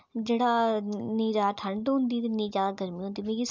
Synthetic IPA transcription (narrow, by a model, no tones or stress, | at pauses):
d͡ʒeːɽaːnĩːd͡ʒaːaʈʰəɳɖɦʊ̃nd̪iːt̪enĩːd͡ʒjaːd̪aːɡəɾmĩːõnd̪iːmeːɾiːs